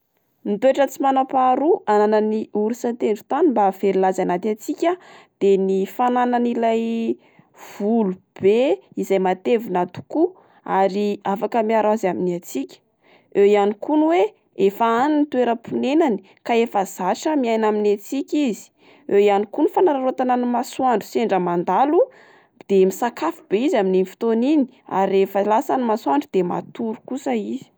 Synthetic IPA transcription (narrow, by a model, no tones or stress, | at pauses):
nit̪ueʈ͡ʂət͡simanapaɾuanananiuɾisant̪eɳɖ͡ʐu̥t̪animbav̥eɾilazanat̪at͡sikʲad̪̥enifanananilaj | v̥ulub̥eizajmat̪evunat̪u̥ku | aɾiafakəmiaɾaazaminiat͡sikʲə̥ | ejanikunwe | efaanunit̪ueɾəpunenani̥ | kaefəz̥aʃəmiajnaminat͡sikʲizi̥ | ewjanikunifanaɾaɾot̪ananimasuaɳɖ͡ʐuseɳɖ͡ʐəmand̪alu | d̪̥emisakafub̥eizamininfi̥t̪onini̥ | a̰ɾiefəlasanimasuaɳɖ͡ʐud̪̥ema̰t̪uɾu̥kusəizi̥